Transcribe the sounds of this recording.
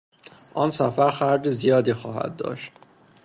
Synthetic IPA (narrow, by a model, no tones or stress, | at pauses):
ʔɒːnsæfæɾxæɾd͡ʒ̪ezijɒːd̪iːxɒːhæ̰d̪̚ːɒ̰ːʃt̪